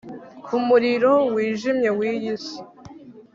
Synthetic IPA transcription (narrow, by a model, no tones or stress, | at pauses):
kʰumuɾiɾo̞wiːʒimɲe̞wiːjisi